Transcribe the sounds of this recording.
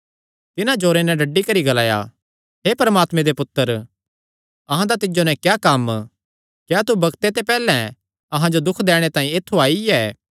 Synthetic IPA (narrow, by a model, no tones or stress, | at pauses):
t̪ɪnãd͡ʒoːɾenɛ̃ɖɐɖːikɐɾiɡɐlaːja̰ | ɦeːpɐɾəmaːt̪mẽd̪epʊt̪ːəɾ | ɐɦãd̪at̪ɪd͡ʒonɛ̃kjaːkɐm | kjaːt̪ubɐɡt̪et̪epɛːlɛ̃ | ɐɦãd͡ʒod̪ʊkʰːd̪ɛːɽ̃et̪ãːĩet̪ʰːuaːiɛː